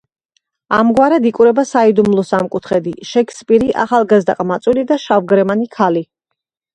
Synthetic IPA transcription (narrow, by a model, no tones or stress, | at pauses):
amɡwaɾɛd̪ikʼuɾɛbasaid̪umlˠɔsamkʼut̪ʰχɛd̪iʃɛkʰspʼiɾiʔa̰χalˠɡazd̪aqʼmat̪sʼulid̪aʃavɡɾɛmanikʰali